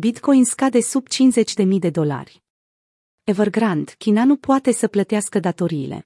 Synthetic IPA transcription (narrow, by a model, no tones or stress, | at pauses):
bit̪ko̞jinskad̪e̞subt͡ʃinze̞t͡ʃʲd̪e̞mijd̪e̞d̪o̞la̰rʲ | evərɡɾand̪̥kʲinanupoat̪e̞səplət̪easkəd̪at̪o̞ɾiːlḛ